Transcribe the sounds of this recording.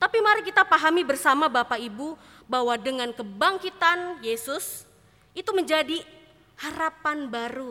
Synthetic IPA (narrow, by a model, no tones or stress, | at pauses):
t̪apimaɾɪkit̪apaɦamibərsamabapaibu | baɦwadəŋankəbaŋkit̪anjesʊs | it̪uməɲd͡ʒadi | haɾapanbaɾu